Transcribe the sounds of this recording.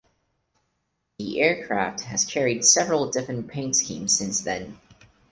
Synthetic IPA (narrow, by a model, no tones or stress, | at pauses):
ðiʔɛɹkʰɹ̥æ̰ft̚hɨz̥kʰɛɹid̥sɛvɹl̩ˠdɪfɹɨ̃npʰẽɪ̃ntskḭ̃mz̥sɪ̃nsðɨ̰̃n